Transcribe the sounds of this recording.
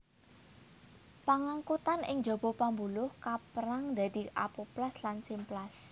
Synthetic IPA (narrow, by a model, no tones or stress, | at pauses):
paŋaŋkut̪anɪ̰ŋd͡ʒo̤b̥o̤pambulʊhkapəɾaŋd̪a̤d̪̥i̤ʔa̰poplaslansɪmplas